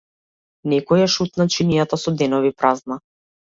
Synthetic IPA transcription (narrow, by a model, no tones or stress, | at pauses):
nɛkɔjaʃut̪nat͡ʃinijat̪asɔd̪ɛnɔvipɾazna